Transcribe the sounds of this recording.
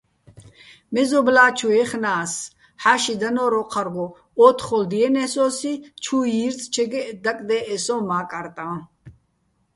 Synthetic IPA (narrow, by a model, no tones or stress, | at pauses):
mɛzɔblaːt͡ʃʰuɛχnaːs | ħaʃid̪anɔɾɔqʰaɾɡɔ | ɔt̪ʰχɔld̪iɛnɛsɔːsit͡ʃʰujiɾt͡sʼt͡ʃʰɛɡɛd̪akʼd̪ɛʔɛsɔmaːkʼaɾt̪ʼã